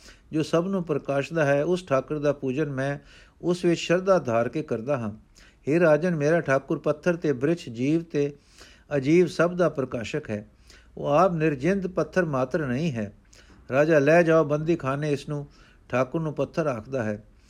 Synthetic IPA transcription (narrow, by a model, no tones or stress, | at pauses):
d͡ʒoːsəbnũːpɾəkaːʃd̪aːɦɛːʊsʈʰaːkəɾd̪aːpuːd͡ʒənmɛ̃ːʊsʋɪt͡ʃʃəɾd̪aːd̪ʱaːɾkeːkəɾd̪aːɦãː | heːɾaːd͡ʒənmeːɾaːʈʰaːkʊɾpət̪ʰːəɾt̪eːbɾɪt͡ʃʰd͡ʒiːʋt̪eː | əd͡ʒiːʋsəbd̪aːpɾəkaːʃəkɦɛː | o̰ːaːpnɪɾd͡ʒɪnd̪pət̪ʰːəɾmaːt̪ɾənəĩːɦɛː | ɾaːd͡ʒaːlɛːd͡ʒaːoːbənd̪iːkʰaːneːɪsnũː | ʈʰaːkʊɾnũːpət̪ʰːəɾaːkʰd̪aːɦɛː